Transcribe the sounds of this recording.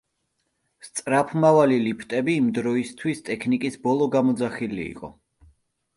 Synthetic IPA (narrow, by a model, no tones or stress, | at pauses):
st̪sʼɾapʰmavalilipʰt̪ʼɛbiːmd̪ɾɔist̪ʰwist̪ʼɛkʰnikʼisbɔlˠɔɡamɔd̪zaχilḭḭqʼɔ̰